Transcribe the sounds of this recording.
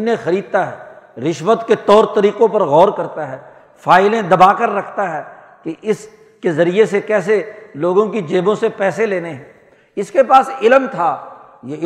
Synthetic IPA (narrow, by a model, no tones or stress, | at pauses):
nẽxɐɾiːd̪̚t̪aɦɛː | ɾɪʃʋət̪ket̪ɔːɾt̪ɐɾiːqõpɐɾɣɔːɾkɐɾt̪aɦɛː | faːɪlẽd̪ɐbaːkəɾːɐkʰt̪aɦɛː | keʔɪs | kezɐɾiesekɛːs̬eloːɡõkid͡ʒeːbõsepɛːseleːneɦɛ̃ː | ɪskepaːsɪlmt̪ʰaː | jeɪ